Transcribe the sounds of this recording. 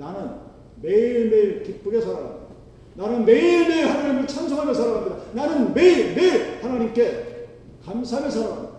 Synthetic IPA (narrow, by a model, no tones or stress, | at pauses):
nanɯn | me̞iɭme̞iɭkip̚p͈uɡe̞sʰaɾaɡa̰mid̥a | nanɯnme̞iɭme̞hanaɲimɯɭt͡ɕʰams̬ʰokʰamesʰaɾaɡamɲidananɯnmeimeihanaɲimke̞ | kamsʰame̞sʰaɾaamid̪ḁa